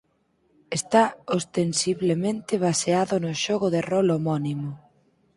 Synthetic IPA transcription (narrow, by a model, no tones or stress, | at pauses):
est̪aost̪ensiβlemẽnt̪ɪβ̞aseaðʊnʊʃɔɣʊðerɔlomɔnimʊ